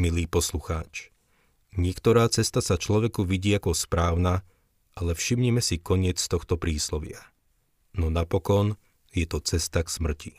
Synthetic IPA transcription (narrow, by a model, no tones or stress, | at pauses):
miliːpɔsluxaːt͡ʃ | ɲɪɛkt̪ɔɾaːt͡sɛst̪asat͡ʃlɔʋɛkuʋiɟiːakɔspɾaːʊna | ʔalɛfʃimɲimɛsikɔɲɪɛt͡st̪ɔxt̪ɔpɾiːslɔʋɪa | nɔnapɔkɔn | jɛt̪ɔt͡sɛst̪aksmr̩ci